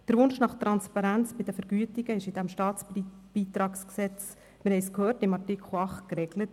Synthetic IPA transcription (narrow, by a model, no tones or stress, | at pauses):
d̥əɾʋʊnʃnɑχt̪ɾɑnspɑɾænt͡sb̥ɪd̥̪əfəɾɡ̥yːətɪɡəɪʃɪd̥̪æmʃtɑːt͡sb̥iːt̪ɾɑːksksɛt͡s | mɪɾhɛɪjskhøːrtɪmɑrtɪkʰχl̩ɑχtkrɛɡ̥lət